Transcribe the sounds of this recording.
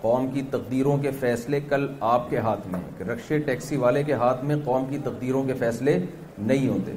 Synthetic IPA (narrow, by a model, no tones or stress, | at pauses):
qɔːmkit̪ɐqd̪iːɾõkefɛːslekɐlaːp̚keɦaːt̪ʰmḛ̃ɾɐkʃeʈɛːksiʋaːlekeɦaːt̪ʰmẽqɔːmkit̪ɐq̚d̪iːɾõkefɛːsle | nɐɦĩɦoːt̪ḛː